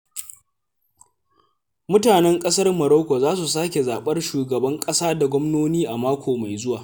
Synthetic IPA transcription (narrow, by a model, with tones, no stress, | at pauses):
mʊ˦taː˨nɛ˦ŋkʼɐ˦sɐ˦rmɐ˨ɾo˦kʷo˨zaː˦s̬u˨s̬aː˦kʲe˨zaː˨ɓɐ˦rʃuː˨ɡɐ˨bɐ˦ŋkʼɐ˦saː˦da˨ɡʷɔ˦mnoː˦niː˦ʔa˨maː˦kʷoː˨ma˨jzʊ˦waː˨